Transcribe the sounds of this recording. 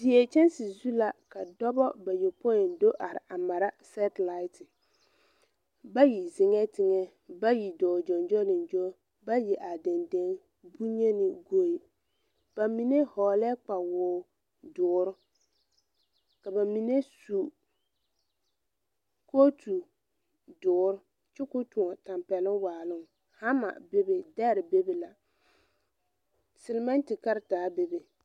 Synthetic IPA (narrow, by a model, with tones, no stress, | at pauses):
di˨ɛ˨t͡ʃɛ˦nsɪ˨zu˦la˨ka˨dɔ˦bɔ˦ba˨jɛ˨pɔ˦ɪ˨ndo˦ʔa˨ɾɪ̰˨ʔa˨ma˨ɾa˦sɛ˦tla˦ɪ˦tʰɪ˨ | ba˦ji˨zɪ˨ŋɛ˦tɪ˦ŋɛ˦ | ba˦ji˨dɔː˨d͡ʒɔ˨nd͡ʒɔ˦lɪ˨nd͡ʒo˦ | ba˦jɛ˨ʔa˨dɛ˨ndɛ˦n | bu˦ɲɛ˦nɪ˨ɡo˦˨i˨ | b̥a˨mi˦nɛ˦hɔː˨lɛ˦k͡pa˨wʊː˨˦ | dʊː˨˦ɾʊ˦ | ka˨ba˨mi˨ne˦su˨ | ko˦tu˨ | dʊː˨˦ɾʊ˦ | t͡ʃɪ˦kʊ˦tu˨ɔ˨ta˨mpɛ˨lɪ˦ŋwaː˨lʊ˦ŋ | ha˦ma̰˨be˦be˨dɛ˦ɾɪ˨be˦be˨la˨ | sɪ˨lɪ˨˦ma˦n˦tɪ˨ka˦ɾɪ˨taː˨˦be˦be˨